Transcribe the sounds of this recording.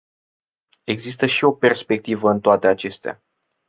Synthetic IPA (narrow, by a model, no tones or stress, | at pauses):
e̞ɡzis̬t̪əʃio̞pe̞rspe̞k̚t̪ivəɨnt̪oat̪e̞at͡ʃe̞st̪ea̰